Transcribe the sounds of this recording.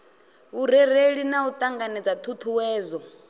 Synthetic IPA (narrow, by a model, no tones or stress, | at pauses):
uɾɛɾ̤eɺinaut̪ʼaŋɡanɛd͡zat̪ʰut̪ʰuwɛːzɔ